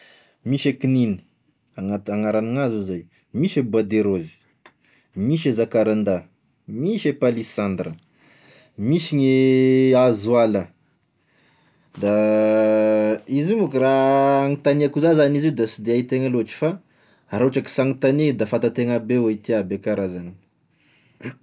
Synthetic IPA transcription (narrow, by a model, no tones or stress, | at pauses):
miʃekininə̥ | aŋaaŋaɾanaŋazuzaj | miʃebuad̪eɾozi̥ | miʃezakaɾand̪a | miʃepalisand̪ɾə | miʃiɲeazwalə | d̪a | izimukraːŋit̪aneakuzazanizewd̪asid̪eait̪eŋaloaʈ͡ʂi̥fa | rauʈ͡ʂaki̥saŋit̪aned̪afant̪at̪eŋabewait̪iabekaɾazani̥